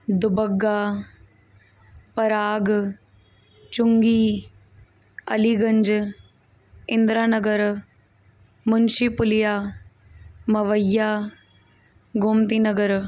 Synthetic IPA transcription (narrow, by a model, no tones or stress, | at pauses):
d̪ʊbəɡːaː | pɐɾaːɡ | t͡ʃʊŋɡiː | ɐ̰liːɡɐɲd͡ʒ | ɪnd̪ɾaːnɐɡəɾ | mʊnʃipʊlɪjaː | mɐʋəjːaː | ɡʊmt̪iːnɐɡəɾ